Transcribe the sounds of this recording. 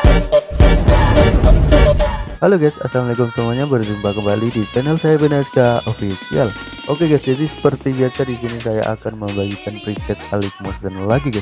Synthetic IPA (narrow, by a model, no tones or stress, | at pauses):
haloɡajsa̰samliɡɔŋsəmuaɲabərd͡ʒimbakəmbalidit͡ʃɛnəlsajabənaskaʔofisial | ʔokeɡasd͡ʒadisə̥pərt̪ibiasadis̬inisaja̰ʔa̰kanməmbaɡikanpɾikɛt̪̚alik̚mɔsɡənlaɡiɡas